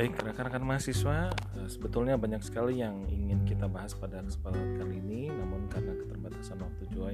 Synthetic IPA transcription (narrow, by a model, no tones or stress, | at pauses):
baɪk̚ːəɾakanakanmaɦasiswaəsəbət̪ʊlɲabaɲaksə̥kalijaŋḭŋɪnkit̪abaɦaspadakə̥səpalaɦank̪aɾininamʊnkarnakə̥t̪ərbat̪asanwak̚t̪ud͡ʒua